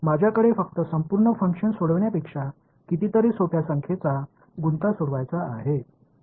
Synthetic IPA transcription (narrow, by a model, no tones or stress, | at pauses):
mad͡ʑʱjakəɽefək̚t̪əsəmpuɾɳəfəŋkʂənsoɽəʋɳjapekʂa | kit̪it̪əɾisopjasəŋkʰet͡sa | ɡunt̪asoɽʋajt͡saːɦe